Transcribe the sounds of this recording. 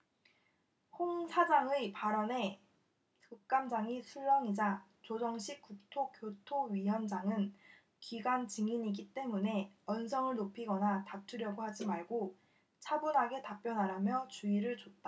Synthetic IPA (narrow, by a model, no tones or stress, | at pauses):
hoŋsʰad͡ʑaŋɯipaɾʌne̞ | kɯk̚k͈amd͡ʑaŋisʰuɭːʌŋid͡ʑat͡ɕod͡ʑʌŋɕʰik̚k͈uk̚tʰokjotʰoɥijʌnd͡ʑaŋɯn | kiɡwant͡ɕiŋiɲiɡit͈e̞mune̞ʌnsʰʌŋɯɭnopʰiɡʌnatap̚tʰuɾjʌɡohad͡ʑimaɭɡo | t͡ɕʰabunɦaɡe̞tap͈jʌnɦaɾamjʌt͡ɕuiɾɯɭt͡ɕot̚t͈a